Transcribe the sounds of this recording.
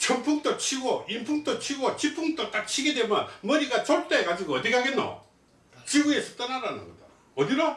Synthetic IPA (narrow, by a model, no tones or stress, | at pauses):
t͡ɕʰʌmpʰuŋt͈ʰot͡ɕʰiɡoimpʰuŋt͈ot͡ɕʰiɡʌt͡ɕipʰuŋt͈ot͈ak̚t͡ɕʰiɡedwe̞mjʌnmʌɾiɡat͡ɕoɭt͈eekad͡ʑiɡoʌd̪ikaɡenːo̰ | t͡ɕiɡuesʰʌt͈ʌnaɾanɯnɡʌda | ʌdiɾo